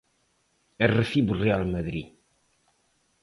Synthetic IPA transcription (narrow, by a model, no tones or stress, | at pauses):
ərːəfibərːialmæðɾḭ